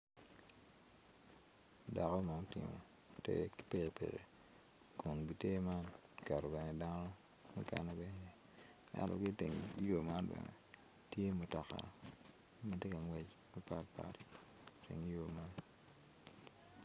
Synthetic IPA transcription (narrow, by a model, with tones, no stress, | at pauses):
da˨kɔ˦ma˨ʊ˦tɪ̰˨mo̰˨ | tḛ˦kpe˦˨pḛ˨ɾḛ˨ | kʰɔ˨n˨ɡi˨te˦ma˦n | kɛ˨ɾɔ˨bɛ˨nɛ˨da˦no˦ | mṵ˦ka̰˨nɛ˦bɛ˦n˦jɛ˨ | a̰˦lo̰˨kɪ˦tḛ˨ŋi˦jo˨ma˦nbɛ̰˨nɛ̰˨ | tje˦mo˨ta˨ka̰˨˦ | ma˨te˦ka˨ŋwɛ˦t͡ʃ | mɛ˦pa˦tpa̰˨ɾi˨ | tḛ˨ŋ˦jo˨ma˦n